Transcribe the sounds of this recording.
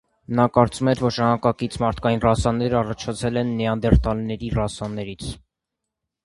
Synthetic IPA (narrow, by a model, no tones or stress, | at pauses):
nɑkɑɾt͡sumɛɾvɔɾʒɑmɑkɑkit͡sʰmɑɾt̪ʰkɑjinrɑsɑnːɛɾəɑrɑt͡ʃʰɑt͡sʰɛlɛnːijɑnd̪ɛɾt̪ɑlnɛɾirɑsɑnːɛɾit͡sʰ